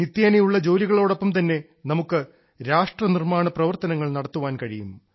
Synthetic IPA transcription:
nit̪ːjeːnɐjuɭːɐd͡ʑoːliɣɐɭo̞ːɽo̞pːɐmt̪ɐnːe̞ | nɐmukːɨ | ɾaːʂʈrɐnirmaːɳɐprɐʋɐrt̪ɐnɐŋːɐɭnɐɽɐt̪ːuʋaːnkɐɻijumːu

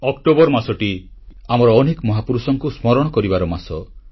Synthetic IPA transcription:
ɔkʈobɔɾmasɔʈi | amɔɾɔːnekɔmɔɦapuɾusɔŋkusmɔɾɔɽ̃ɔkɔɾibaɾɔmasɔ

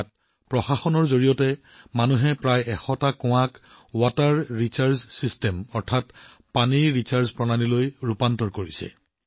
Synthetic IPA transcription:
t̚ | pɹɔxaxɔnɔɹzoɹijɔtɛ | manuɦɛpɹajɛxɔtakʊ̃wãk | wataɹːisaɹssistɛmɔɹtʰat | paniɹɹisaɹspɹɔnanilojɹupantɔɹkoɹisɛ̰

